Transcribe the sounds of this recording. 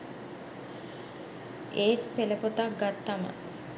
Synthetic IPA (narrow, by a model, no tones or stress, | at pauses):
eːt̪pelepot̪ak̚ɡat̪ːama̰